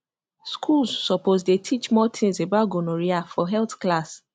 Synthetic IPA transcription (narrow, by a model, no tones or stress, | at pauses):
skʰulzːɔpozdetʰit͡ʃmɔtʰĩŋsebaɡonoɹiafɔɦɛltklas